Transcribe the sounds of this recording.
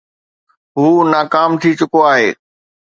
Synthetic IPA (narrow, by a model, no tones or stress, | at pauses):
ɦuːnaːkaːmt̪ʰit͡ɕʊkoaːɦeː